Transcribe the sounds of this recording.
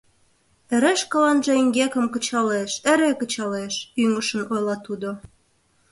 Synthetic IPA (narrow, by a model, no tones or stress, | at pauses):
ĕɾeʃkɑlɑnʒĕiŋɡekə̆mkə̆t͡ɕɑleʃĕɾekə̆t͡ɕɑleʃyŋəʃə̆nojlɑt̪ud̪o